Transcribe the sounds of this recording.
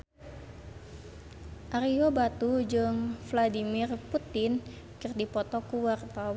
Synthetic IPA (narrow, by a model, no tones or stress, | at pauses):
ʔaɾiobat̪ud͡ʒɨŋfladimirput̪ɪn | kɨrdipɔt̪ɔkuwart̪awa